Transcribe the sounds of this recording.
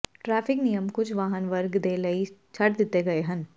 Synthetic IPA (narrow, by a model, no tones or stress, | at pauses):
ʈɾɛːfɪknijəmkʊt͡ʃʰʋaːɦənʋəɾɡd̪eːlɐit͡ʃʰɐʈd̪ɪt̪ːeɡɐeɦɐ̃n